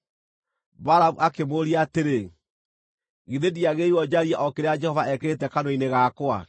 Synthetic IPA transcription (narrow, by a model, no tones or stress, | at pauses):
baɾaβuʔakemoɾiaːteɾe | ɣiðediaɣeiwɔd͡ʒaɾiaʔɔkeɾead͡ʒɛhɔvaɛkeɾetɛkanoineɣaːkoa̰